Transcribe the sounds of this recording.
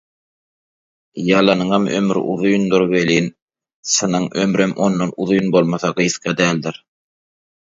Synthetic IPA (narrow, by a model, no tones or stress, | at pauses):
jɑlˠɑnɯɴɑmø̰mɾʔṵðujnd̪uɾβeliːn | sɯnɯŋømɾæmʔo̞̰nːɑnuðujnbo̞lˠmɑθɑɢɯjθqɑd̪æːld̪iɾ